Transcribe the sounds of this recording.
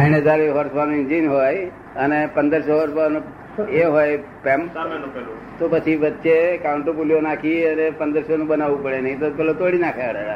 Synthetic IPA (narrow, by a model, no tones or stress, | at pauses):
aiñed̪aɾiɦɔɾsbanũɪnd͡ʒinɦoj | ənepənd̪əɾʃoɦɔɾbanũ | eɦoj | pɛmp | t̪opət͡ʃʰiʋət̪ːʃekauɳʈopuljonakʰiənepənd̪əɾʃonũbənaʋũpəɽenəɦĩt̪opɛlot̪oɽinakʰaɽea